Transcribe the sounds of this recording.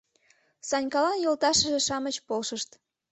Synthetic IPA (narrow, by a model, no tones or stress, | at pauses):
sɑnʲkɑlɑnjolt̪ɑʃəʒeʃɑmət͡ɕpolʃəʃt̪